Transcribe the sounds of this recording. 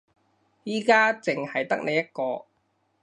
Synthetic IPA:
jiː˥kaː˥t͡sɪ˨ŋhɐ˨jt̪ɐ˥k̚ne˨˧jɐ˥t̚kɔː˧

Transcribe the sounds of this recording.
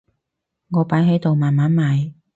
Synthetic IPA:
ŋɔː˨˧paː˨˥jɦɵ˨˥t̪o˨wmaː˨nmaː˨˥nmaː˨˧j

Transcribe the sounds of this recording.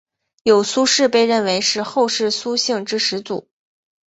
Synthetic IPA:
jo˨˩ʊsu˥ʂɻ̩˥˧pe˥˧ɪɻə˥˩nwe˧˥ɪʂɻ̩˥˧xo˥˧ʊʂɻ̩˥˩su˥ɕi˥˧ŋʈ͡ʂɻ̩˥ʂɻ̩˧˥t͡sṵ˨˩˦

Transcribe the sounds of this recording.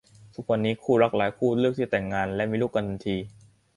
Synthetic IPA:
t̪ʰu˦˥˩k̚wa˧nːiː˦˥kʰuː˥˩ɾa˦˥k̚laː˩˦jkʰuː˥˩ɾɯ˥˩k̚t̪ʰiː˥˩t̪ɛ˨˩ŋːaː˧nlɛ˦˥ʔmiː˧luː˥˩kːa˧nda˧nt̪ʰiː˧

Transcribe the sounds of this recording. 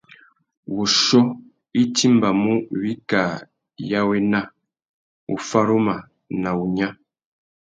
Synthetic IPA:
wu˨ʃɔ˦ | i˦ti˦mba˨mu˦βi˦ka˨ | ja˦we˦na˦ | u˨fa˦ɾo˦ma˨ | na˨u˨ɲã˦

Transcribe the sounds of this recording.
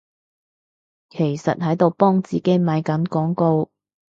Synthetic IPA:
kʰe˨˩jsɐ˨t̚hɐ˨˥jt̪o˨wpɔː˥ŋt͡siː˨ke˨˥jmɐ˨˧jkɐ˨˥nkɔː˨˥ŋko˧w

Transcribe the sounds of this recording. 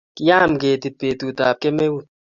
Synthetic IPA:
ki˦ja˦˨mɡe˨t̪i˨t̚pe˨t̪u˨t̪a˨p̚ke˦me˦wu˦˨

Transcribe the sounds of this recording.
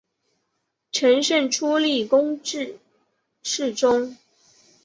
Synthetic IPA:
ʈ͡ʂʰə˧˥ŋʂə˥˩nʈ͡ʂʰu˥li˥˩kʊ˥ŋʈ͡ʂɻ̩˥˨ | ʂɻ̩˥˩ʈ͡ʂʊ˥ŋ

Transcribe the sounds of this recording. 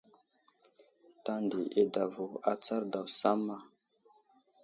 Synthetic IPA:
ta˦ndi˨ʔe˦da˨vo˨a˨t͡sa˦ɾda˨wsa˦mːa˦

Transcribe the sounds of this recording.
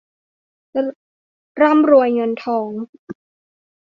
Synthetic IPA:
ɾa˥˨mɾu˧əjŋɤ˧nt̪ʰɔː˩˦ŋ

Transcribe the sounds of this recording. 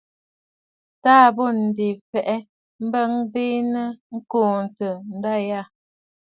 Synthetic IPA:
taː˦˨bo˦˨n̩˨di˨fɛ˨ʔɛ˦ | m̩˦bə˦ŋbi˦nə˦ŋ̩˦koː˦˨n˨tə˨n̩˨˦da˦ja˦˨

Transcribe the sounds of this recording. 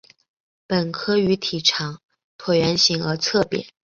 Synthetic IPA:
pə˨˩nkʰɤ˥y˧˥t̪ʰi˨˩ʈ͡ʂʰɑ˨˩˦ŋ | t̪ʰwɔ˨˩ɥɛ˧˥nɕi˧˥ŋə˞˧˥t͡sʰɤ˥˩pjɛ̰˨˧˩

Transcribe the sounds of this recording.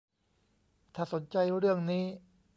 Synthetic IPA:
t̪ʰaː˥˩so˩˦nt͡ɕa˧jɾɯ˥˩əŋniː˦˥

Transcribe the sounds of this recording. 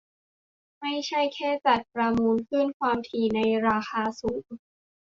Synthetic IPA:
ma˥˩jt͡ɕʰa˥˩jkʰɛː˥˩t͡ɕa˨˩t̪̚pɾa˧muː˧nkʰɯ˥˩nkʰwaː˧mt̪ʰiː˧na˧jɾaː˧xaː˧suː˩˦ŋ

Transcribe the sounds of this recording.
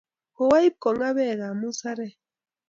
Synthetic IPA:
ko˨wa˦i˦p̚kɔ˨ŋa˦βɛ˦˨ɣa˨mu˦sa˦ɾɛ˦˨

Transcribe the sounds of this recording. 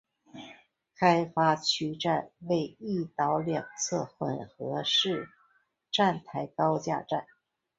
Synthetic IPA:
kʰa˥ɪfa˥t͡ɕʰy˥ʈ͡ʂa˥˧nwe˥˧ɪi˥˩t̪ɑ˧˥ʊljɑ˨˩ŋt͡sʰɤ˥˩xwə̰˨˩nxɤ˧˥ʂɻ̩˥˩ | ʈ͡ʂa˥˩nt̪ʰa˧˥ɪkɑ˥ʊt͡ɕja̰˥˧ʈ͡ʂa˥˩n

